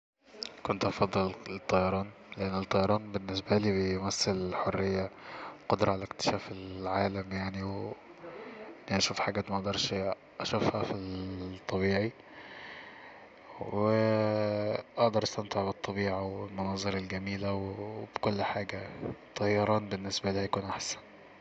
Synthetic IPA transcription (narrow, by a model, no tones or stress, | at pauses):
kont̪ʔɑfɑd̪ˤːɨlet̪ˤːɑjɑɾˤɑːn | leʔanːet̪ˤːɑjɑɾˤɑːnbenːesbæliːbejmæsːellħorːɪjːaqod̪ɾˤɑʕalælekt̪ɪ̥ʃæːfelʕaːlæmjaʕniw | ʔenːiʔæʃuːfħaɡæːt̪mæʔɑd̪ɑɾˤʃ | ʔæʃæfhæfit̪ˤːɑβiːʕi | we | ʔɑʔd̪ɑɾˤʔɑst̪æmt̪eʕbet̪ˤːɑbiːʕawelmɑnɑːzˤɨɾelɡæmiːlæwbkolːħaːɡæt̪ˤːɑjɑɾˤɑːnbenːesbæliːhæjakuːnʔaħsæ̥n